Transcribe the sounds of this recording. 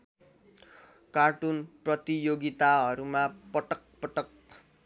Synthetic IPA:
kaʈunprʌt̪ijoɡit̪aɦʌɾumapʌʈʌk̚pʌʈʌk

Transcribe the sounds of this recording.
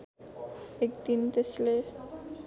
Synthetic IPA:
ekd̪int̪esle

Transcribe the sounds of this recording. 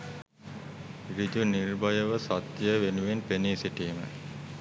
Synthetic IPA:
ɾid̪unirbajəʋəsat̪jəʋenuʋenpeniːsiʈiːmə̰

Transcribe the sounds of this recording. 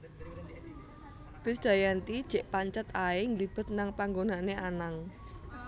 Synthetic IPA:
b̥ɪsd̥a̤jant̪id̥ʒ̥e̤ʔpaɲt͡ʃət̪aeŋlib̥ə̤t̪̚naŋpaŋɡonaneʔanaŋ

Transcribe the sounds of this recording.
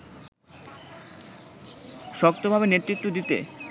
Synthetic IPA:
ʃɔk̚t̪obʱabeneɾt̪ɾit̪ːod̪it̪ḛ

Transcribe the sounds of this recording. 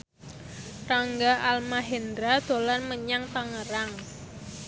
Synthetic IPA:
raŋɡaʔalmaɦɛnd̪ɾad̪̥olanməɲaŋt̪aŋəɾaŋ

